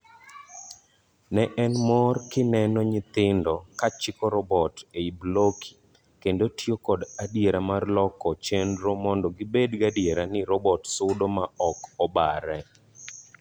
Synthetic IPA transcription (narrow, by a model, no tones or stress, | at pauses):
nɛʔɛnmɔrkɪnɛnɔɲɪt̪ɪndɔkat͡ʃɪkɔɾɔbɔteiblokʰi̥ | kendotiokɔdadjeɾamarlɔkɔt͡ʃendɾomɔndɔɡɪbedɡadjeɾanɪɾɔbɔtsʊdomaɔkɔba̰ɾɛ